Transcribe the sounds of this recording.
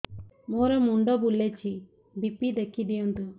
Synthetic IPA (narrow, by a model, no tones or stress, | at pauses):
moːɾɐmuɳɖobulːet͡ʃːi | bipːid̪ɐkːid̪ijund̪u